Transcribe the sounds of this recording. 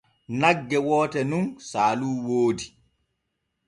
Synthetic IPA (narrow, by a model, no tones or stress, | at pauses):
naɡːɛwɔːtɛnunsaːluːwoːdi